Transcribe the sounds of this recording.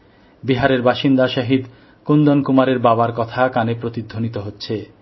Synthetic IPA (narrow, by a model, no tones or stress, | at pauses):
biɦaɾeɾbaʃind̪aʃaɦid̪ | kund̪onkumaɾeɾbabaɾkɔt̪ʰakanepɾot̪id̪ʱːonit̪oɦotːɕʰe